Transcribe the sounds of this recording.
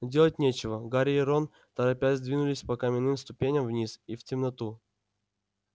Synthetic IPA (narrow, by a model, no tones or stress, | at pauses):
dʲelˠətʲnʲet͡ɕɪvəɡaɾʲɪɪɾon | t̪əɾɐpʲazd̪vʲinʊlʲɪsʲpɐkamʲɪnːɨmst̪ʊpʲenʲəmvnʲisiftʲɪmnɐt̪u